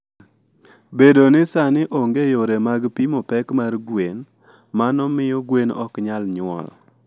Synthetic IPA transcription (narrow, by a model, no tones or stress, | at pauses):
bedonɪsanɪʔoŋɡejoɾemaɡpimɔpɛkmarɡwen | manɔmɪjɔɡwenɔkɲalɲʊwɔ̰l